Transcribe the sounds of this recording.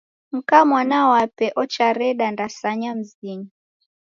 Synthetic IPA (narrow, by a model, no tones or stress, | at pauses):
m̩kamwanawapɛʔɔt͡ʃaɾɛɗandasaɲam̩ziɲi